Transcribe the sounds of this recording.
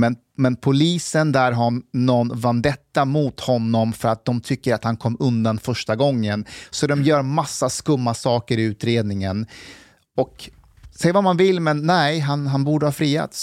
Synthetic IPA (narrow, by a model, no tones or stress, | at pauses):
mɛn | mɛnpʰʊliːsənd̪æɾɦanɔnvand̪ɛt̪ːamut̪hɔnːɔmfœɾat̪̚d̪ɔmt̪ʰʏkːəɾat̪hankʰɔmːɵnd̪anfœʂʈaɡɔŋːənsɔd̪ɔmjœːɾmasːaskɵmːasɑːkəɾɪʉ̟ːt̪ɾeːd̪nɪŋən | ɔk | sɛjːəvamanvɪlːmɛnːɛɪɦanɦanbuːɖəhɑːfɾiːa̰t̪s